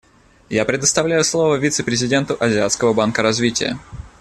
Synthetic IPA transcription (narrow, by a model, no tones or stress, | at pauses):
japɾʲɪd̪əst̪ɐvlʲæjʊslˠo̞vəvʲit̪sɨpɾʲɪzʲɪdʲe̞nt̪ʊʔɐzʲɪat̪skəvəbankəɾɐzvʲitʲɪ̰jə̰